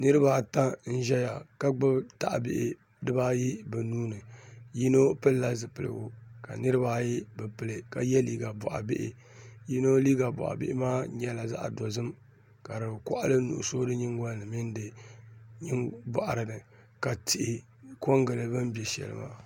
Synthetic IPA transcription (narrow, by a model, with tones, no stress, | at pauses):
nɨ˦ɾɨ˦ba˦ta˦n̩˦ʒɛ˦ja˨ka˦ɡ͡bɨ˦bta˨ʔbɪ̰˦ʔɪ˨˦ | dɨ˦baː˦ji˦bɨ˨nuː˦nɨ˨ji˦no˦pɨ˦lla˦zɨ˨pɨ˨lɨ̰˨o˦ka̰˨nɨ˦ɾɨ˦ba˦ji˦bɨ˨pɨ˦lɨ˨ka˨jɛ˦liː˦ɡa˨bɔ̰˨ʔa̰˨bɪ̰˦ʔɪ̰˨ | ji˦no˦liː˦ɡa˨bɔ̰˨ʔa̰˨bɪ̰˦ʔɪ̰˦maː˦ɲɛ˦la˨za̰˦ʔdɔ˨zɨ˦m | ka˨ɾɨ˨kʷʊ̰˦ʔa˦lɨ˦nṵ˨ʔʊ̰˨so˦dɨ˦ɲɪ˦ŋɡɔ˦lnɨ˨mɪ˦n˦dɨ˨ | ɲi˦ŋba̰˨ʔa̰˨ɾɨ˨nɨ˨ | ka˨tʰɪ˨ʔɪ˨ | ko˦ŋɡɨ˨lɨ˨bɨ˦mbɛ˨ʃɛ̰˨lɨ̰˨ma̰ː˦